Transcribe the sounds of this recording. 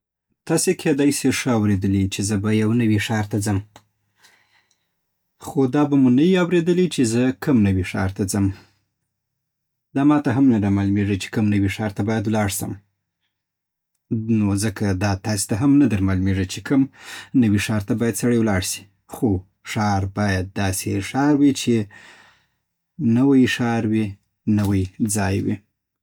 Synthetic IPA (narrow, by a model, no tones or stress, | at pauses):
t̪ɑsekʰed̪ɑjseʂəawɾed̪əlit͡ʃezəbajawnəwiʂɑɾt̪ad͡zəm | xod̪ɑbamunajiawɾed̪əlit͡ʃezəkəmnəwiʂɑ̰ɾt̪ad͡zəm | d̪ɑmɑt̪aɦamnad̪aɾmɑlumeʐət͡ʃe̥kəmnəwiʂɑɾt̪abɑjad̪wlɑɽsə̰m | nozəkʰad̪ɑt̪ɑse̥t̪aɦamnad̪aɾmɑlmeʐət͡ʃekəmnəwiʂɑɾt̪abɑjad̪saɽəjwlɑɽʃi̥ | xo | ʂɑɾbɑjad̪̚ːɑseʂɑɾwit͡ʃe | nəwajʂɑɾwi | nəwajd͡zɑjwḭ